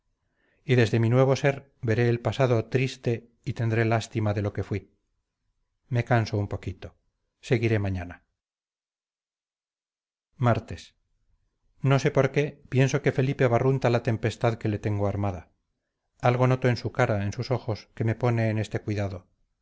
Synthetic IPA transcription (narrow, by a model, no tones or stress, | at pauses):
iðe̞zðe̞minwe̞β̞o̞se̞ɾ | βe̞ɾe̞ːlpasaðo̞t̪ɾist̪e̞ | it̪e̞nd̪ɾe̞last̪imaðe̞lo̞ke̞fwi | me̞kansoumpo̞kit̪o̞ | se̞ɣiɾe̞maɲana | maɾt̪e̞s | no̞se̞po̞ɾke̞pje̞nso̞ke̞fe̞lipe̞aβarunt̪alat̪e̞mpe̞st̪aðke̞le̞t̪eŋɡoaɾmaða | alɣo̞no̞t̪o̞e̞nsukaɾaensuso̞xo̞ske̞me̞po̞ne̞ːne̞st̪e̞kwiðaðo̞